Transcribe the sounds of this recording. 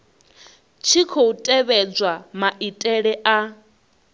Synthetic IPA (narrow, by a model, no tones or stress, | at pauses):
t͡ʃʰikʰoutʼɛβɛd͡zwamaʔitʼɛɺɛʔa